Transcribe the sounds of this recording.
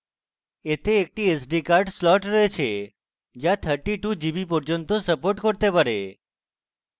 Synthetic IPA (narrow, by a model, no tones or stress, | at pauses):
et̪eːk̚ʈiesɖikaɾɖslɔʈɾəɦet͡ʃʰe | d͡ʒjãt̪ʰəɾʈiʈud͡ʒibipɔɾd͡ʒənt̪osəpoɾʈkəɾt̪epəɾe